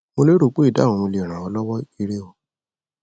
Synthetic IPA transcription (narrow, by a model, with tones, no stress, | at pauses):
mo˧le˦ɾo˦˨k͡po˦i˦˨dã˦˨ɔ̃˧mo˧le˨ɾ̃ã˨ɔ˧˦lɔ˦wɔ˦i˧ɾe˦wo˦